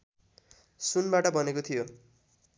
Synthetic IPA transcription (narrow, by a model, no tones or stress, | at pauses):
sunbaʈʌbʱʌnekot̪ʰijo